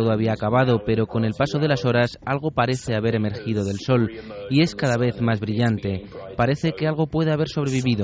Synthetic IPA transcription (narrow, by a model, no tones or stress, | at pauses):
oðoaβiaːkaβaðo̞pe̞ɾo̞ko̞ne̞lpaso̞ð̞e̞laso̞ɾasalɣ̞o̞paɾe̞θe̞aβe̞ɾe̞me̞ɾxiðo̞ðe̞lso̞lie̞skaðaβ̞e̞θmazβɾiʎant̪e̞paɾe̞θe̞kealɣ̞o̞pwe̞ð̞eaβ̞e̞ɾsoβɾe̞βiβiðo